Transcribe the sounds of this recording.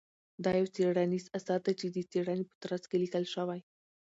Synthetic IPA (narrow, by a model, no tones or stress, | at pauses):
d̪ɑjawt͡seɽanizasɑd̪at͡ʃed̪ət͡seɽanepə̥t̪ɾaskelikəlʃəwaj